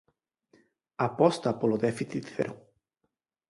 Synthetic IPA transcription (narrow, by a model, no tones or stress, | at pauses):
apɔst̪apolod̪efiθit̪θḛɾʔo